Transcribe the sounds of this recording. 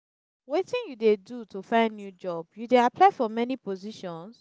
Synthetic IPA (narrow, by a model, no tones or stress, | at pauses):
wetĩnjudedutʰufãɪ̃ndnjud͡ʒɔbjudeapʰlaɪfɔmɛnipɔziʃɔ̃ns